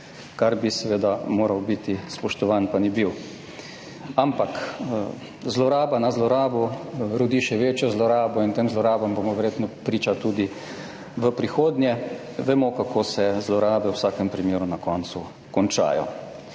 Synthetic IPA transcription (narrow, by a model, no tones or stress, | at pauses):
kaɾbisɛʋeːd̪amoːɾawbit̪ispɔʃt̪ɔʋaːnpanibiw | ampak | zlɔɾaːbanazlɔɾaːbuɾɔd̪iʃɛʋeːt͡ʃjɔzlɔɾaːbɔint̪eːmzlɔɾaːbɔmbomɔʋɛɾjeːt̪nɔpɾiːt͡ʃat̪uːd̪i | ʋəpɾixoːd̪njɛ | ʋɛmokakʰoːsɛzlɔɾaːbɛwsaːkɛmpɾimjeːɾunakɔnt̪su | kɔnt͡ʃa̰ːjɔ̰